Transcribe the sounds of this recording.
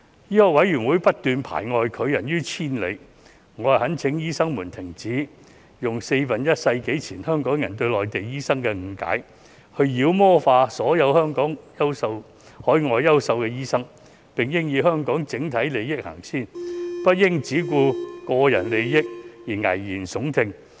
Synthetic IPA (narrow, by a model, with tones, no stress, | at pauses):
jiː˥ɔː˧wɐ˨˥jyː˨˩nwuː˨˧˥jpɐ˥t̚t̪yː˨npʰa̰ː˨˩jŋɔː˨˧jkʰɵ˨˧ɥjɐ˨˩njyː˥t͡sʰiː˥nle˨˧j | ŋɔː˨˧ɦɐ˨˥nt͡sʰɪ˨˥ŋjiː˥sɐ˥ŋmuː˨˩nt̪ʰɪ˨˩ŋt͡siː˨˥ | jʊ˨˩ŋse˧jfɐ˨njɐ˥t̚sɐ˧jke˨˥jt͡sʰiː˨˩nhœː˥ŋkɔː˨˥ŋjɐ˨˩nt̪ɵ˧ɥlɔː˨jt̪e˨jjiː˥sɐ˥ŋkɛː˧ŋ̩˨˧ka̰ː˨˥j | hɵ˧ɥjiː˨˧wmɔː˥faː˧sɔː˨˥jɐ˨˧whœː˥ŋkɔː˨˥ŋjɐ˥wsɐ˧w | hɔː˨˥jŋɔː˨˧jːɐ˥wsɐ˧wkɛː˧jiː˥sɐ˥ŋ | pɪ˨ŋjɪ˥ŋjiː˨˧wɦœː˥ŋkɔː˨˥ŋt͡sɪ˨˥ŋt̪ʰɐ˨˥jle˨jjɪ˥k̚ha̰ː˨˩ŋsʰiː˥npɐ˥t̚jɪ˥ŋt͡siː˨˥kuː˧kɔː˧jɐ̰˨˩nle˨jjɪ˥k̚jiː˨˩ŋɐ̰˨˩jjiː˨˩nsʊ˨˥ŋt̪ʰɪ˧ŋ